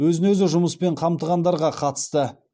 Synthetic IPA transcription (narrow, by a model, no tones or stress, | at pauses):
wɵzɪnɵzɪʒʊməspe̞ɴqʰɑmt̪əʁɑnd̪ɑɾʁɑqʰɑt̪ə̥st̪ə